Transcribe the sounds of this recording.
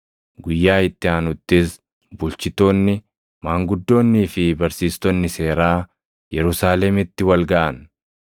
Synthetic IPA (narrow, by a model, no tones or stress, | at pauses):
ɡʊjːaːɪt̪ːɪaːnʊt̪ːɪs | bʊlt͡ʃɪt̪oːnːɪ | maːŋɡʊd̪ːo̞ːnːiːfɪbɐɾsiːst̪ɔnːɪse̞ːɾaː | jɛɾʊsaːlɛmɪt̪ːɪwɐlɡɐʔɐn